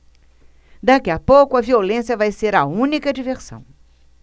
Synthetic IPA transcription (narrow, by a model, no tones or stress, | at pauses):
d̪akiɐpowkʊɐviolẽsjɐvajseɾɐũnikɐd͡ʒiveɾsɐ̰̃w̃